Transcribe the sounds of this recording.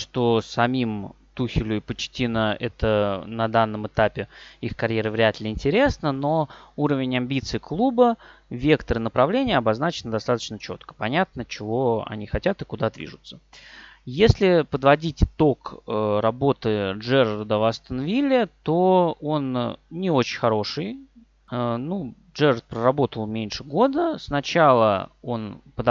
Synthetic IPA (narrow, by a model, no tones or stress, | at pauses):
ʂt̪o̞sɐmʲim | t̪uxʲɪlʲʊɪpət͡ɕtʲinəɛt̪ənɐd̪anːəmɨt̪apʲɪixkɐɾʲjeɾɨvɾʲɪat̪lʲɪɪnʲtʲɪɾʲe̞snəno̞uɾəvʲɪnʲɐmʲbʲit̪sɨɪklˠubə | vʲe̞kt̪əɾɨnəpɾɐvlʲenʲɪjəɐbɐznat͡ɕɪnəd̪ɐst̪at̪ə̥t͡ɕnət͡ɕo̞t̪kə̥pɐnʲat̪̚nət͡ɕɪvo̞ɐ̰nʲixɐtʲat̪ɨkʊd̪ad̪vʲḭʐʊt̪sə̥ | jesʲlʲɪpəd̪vɐdʲitʲɪt̪o̞kɾɐbo̞t̪ɨʐɛrəɾd̪əvast̪ənvʲilʲːɪt̪o̞o̞nnʲɪo̞t͡ɕɪnʲxɐɾo̞ʂɨj | ənu | ʐɛrərt̪̚pɾərɐbo̞t̪əlˠmʲenʲʂɨɡo̞d̪əsnɐt͡ɕalˠə̰o̞npəd̪